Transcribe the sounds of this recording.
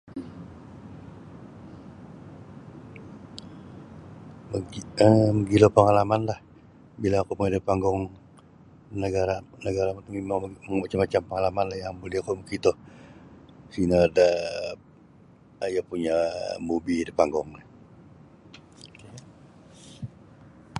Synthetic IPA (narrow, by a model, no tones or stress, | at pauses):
məəməɡilopəŋalamanlah | bilaːkupuɲadipaŋɡɔŋ | nəɡaɾanəɡaɾamat̪uŋimaŋmat͡ʃamːat͡ʃampəŋalamanlahjaŋbolɛhakumukit̪ɔh | sinada | japuɲamubidipaŋɡɔŋn